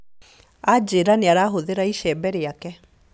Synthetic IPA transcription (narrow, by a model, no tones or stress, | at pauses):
ad͡ʑeɾaneaɾaːɦoðeɾaiʃɛbɛɾeakɛ